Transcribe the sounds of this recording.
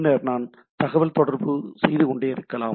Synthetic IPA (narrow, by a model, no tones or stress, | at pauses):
nːɐɾnaːn | t̪ɐɣɐʋɐlt̪ɔɽɐɾbɯsɛjðɯkɔɳɖeːɪɾɯkːɐlaː